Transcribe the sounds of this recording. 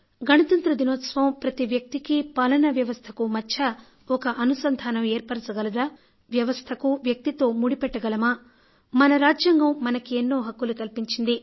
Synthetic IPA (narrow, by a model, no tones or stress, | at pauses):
ɡɐɳɐt̪ɐnt̪ɾɐd̪inoːt̪sʋɐmpɾɐt̪iʋjɐk̚t̪ikipalɐnɐʋjɐʋɐst̪ʰɐkumɐt͡ʃʰːɐ | ɔkɐʔɐnusɐnd̪ʱaːnɐmeːɾpɐɾɐsɐɡɐlɐd̪aː | ʋjɐʋɐst̪ʰɐkuʋjɐk̚t̪it̪o̞ːmuɽipɛʈːɐɡɐlɐmaː | mɐnɐɾaːd͡ʒjɐŋɡɐmːɐnɐkienːo̞ːɦɐkːulukɐlpiɲt͡ʃind̪i